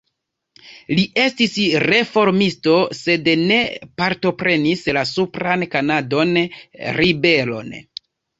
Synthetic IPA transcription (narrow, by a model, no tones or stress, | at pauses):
liʔe̞stisɾe̞fo̞ɾmisto̞se̞dne̞paɾto̞pɾe̞nislasupɾankanado̞nɾibe̞lo̞̰n